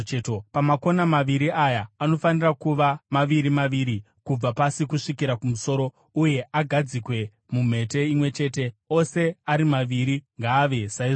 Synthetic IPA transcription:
topamako̞namaʋiɾiajaːno̞fanirakuʋamaʋiɾimaʋiːɾi | kub͡vapasikuʂikiɾakumuso̞ːɾo̞ | uje̞ʔaɡʱad͡zikwe̞ | mum̤e̞te̞imwe̞t͡ʃe̞ːte̞ose̞aɾimaʋiɾiŋɡaːʋe̞sai

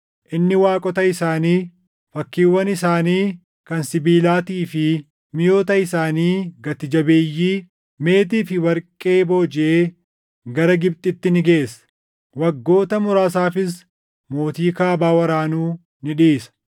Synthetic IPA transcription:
ʔɪnːɪwaːkʼɔt̪ɐɪsaːniː | fɐkːiːwːɐnɪsaːniː | kɐnsɪbiːlaːt̪iːfɪ | mɪjo̞ːt̪ɐɪsaːniːɡɐt̪ɪd͡ʒɐbeːjːiː | me̞ːt̪̬iːfɪwɐɾkʼːe̞ːbo̞ːd͡ʒɪʔeː | ɡɐɾɐɡɪbt̪ʼɪt̪ːɪnɪɡe̞ːsɐ̥ | wɐɡːo̞ːt̪ɐmʊɾaːsaːfɪs | mo̞ːt̪iːkaːbaːwɐɾaːnuː | nɪᶑiːsɐ̥

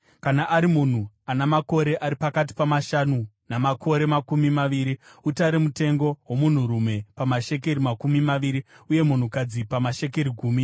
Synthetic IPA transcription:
kanaʔːɾimun̤u | anamako̞ɾe̞ʔaɾipakat̬i̥pamaʃanu | namakʰo̞ɾe̞makumimaʋiːɾiutaɾemute̞ŋɡo̞wo̞mun̤uɾume̞pamaʃe̞k̬e̞ɾimakumimaʋiɾiuje̞mun̤ukad͡zipamaʃe̞k̬e̞ɾiɡʱuːmi

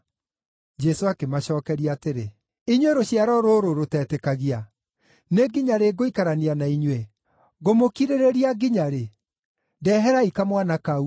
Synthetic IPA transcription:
d͡ʒɛsoakemaɕɔːkɛɾiaateɾe | iɲweɾoɕiaɾɔɾoɾoɾotɛːtɛkaɣia | neɡiɲaɾeɡoikaɾanianaiɲwe | ɣomokiɾeɾeɾiaɡiɲaɾe | dɛːɦɛɾaikamwanakau

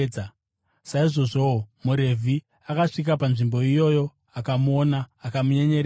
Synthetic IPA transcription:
saiʐo̞ʐo̞muɾe̞vʱi | akaʂik̬apanʐimbo̞ijo̞jo | akamuonaːkamuɲe̞ɲe̞ɾ

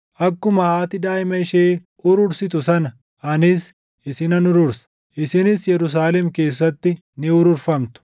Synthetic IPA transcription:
ʔɐkːʊmɐhaːt̪ɪd̪aːjmɐɪʃeː | ʊɾʊɾsɪt̪̬ʊsɐnɐ | ʔɐnɪs | ʔɪsɪnɐnʊɾʊɾsɐ̥ | ʔɪsɪnɪsjɛɾʊs̬aːlɛmke̞ːs̬ːɐt̪ːɪ | nɪʊɾʊɾfɐmt̪ʊ̥

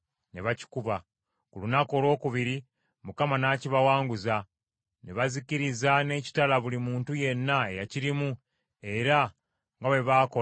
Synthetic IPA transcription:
neβaci̥kuβa | kulunako̞lo̞ːkuβiɾi | mukamanaːciβawaːŋɡuza | neβaziciɾizane̞ːci̥talaβulimuːntuje̞nːae̞jaciɾimu | e̞ɾa | ŋɡaβe̞βaːko

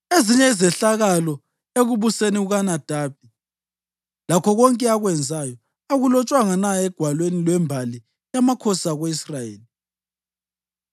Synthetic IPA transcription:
eziɲɛizɛɬaɣalɔ | eɣuβuseniuɣanad̥ʱaːp̚i | lakʰɔɣɔŋkʼɛaɣwɛnd͡zʱajɔ | aɣulɔt͡ʃʼwaŋanaɛɡ̥ʱwalwenilwɛmbʱali | jamakʰɔsaɣeisrajeːli

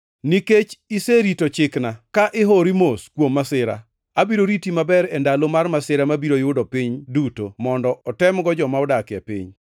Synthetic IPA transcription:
niket͡ʃiseɾitot͡ʃɪknakaʔɪɦoɾimoskwomːasɪɾa̰ | abiɾoɾitimabɛɾɛndalomarmasɪɾamabiɾojʊdɔpiɲdutomɔndɔʔɔtɛmɡɔd͡ʒɔmaɔdakɪa̰pḭɲ

